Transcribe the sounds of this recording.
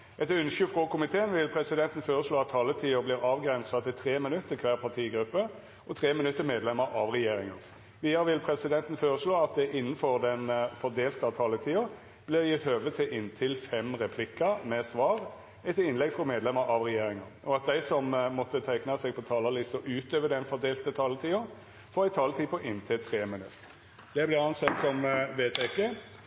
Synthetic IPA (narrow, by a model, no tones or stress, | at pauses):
ɛt̪ʉnʃʉfɾɔkʊmɪt̪ʰeːənʋɪlpʰɾɛsɪd̪ɛnt̪n̩føːɾəsɭoːɑt̪ʰːɑːlət̪ʰiːʊblɪːɾɑːʋɡɾɛnsɑt̪ʰɪt̪ʰɾeːmɪnʉt̪ːəkʰʋæːʁpʰɑʁt̪ʰiːɡɾʉpːə | ɔt̪ʰɾeːmɪnʉt̪ːəɾmeːd̪lɛməɾʔɑʋʁɛjeːɾɪŋɑʁ | ʋiːd̪ɑɾəʋɪlpʰɾɛsɪd̪ɛnt̪n̩føːɾəʂɭoːɑt̪̚d̪ɛʔɪnːənfɔʁd̪ɛnfɔʁd̪eːlt̪əɑt̪ʰɑːlət̪ʰiːʊ | b̥lɪʁjɪt̪høːʋət̪ʰɪlʔɪnːt̪ʰɪlfɛmɾɛpʰlɪkːəmɛsʋɑːʁ | ɛt̪ɪnlɛɡfʁɔmeːd̪lɛməɾʔɑʋʁɛjeːɾɪŋɑnʔɔɑt̪̚d̪æɪsɔmmɔt̪ːət̪ʰæɪknɑsɛɡ̚pʰɔt̪ʰɑːləlɪst̪ɔʔʉːt̪øːʋəd̪ɛnfɔʁd̪eːlt̪ət̪ʰɑːlət̪ʰiːʊ | fɔɾæɪt̪ʰɑːlət̪ʰiːpʰɔʔɪnt̪ʰɪlt̪ʰʁeːmɪnʉt̪ː | d̪̥ɛblɪʁɑnsɛt̪ːsɔmʋeːt̪ɪkːə